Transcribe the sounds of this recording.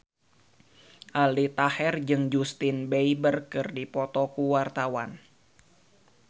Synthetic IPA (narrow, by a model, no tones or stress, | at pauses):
ʔalit̪ahɛrd͡ʒɨŋd͡ʒust̪ɪnbejbərkɨrdipɔt̪ɔkuwart̪awan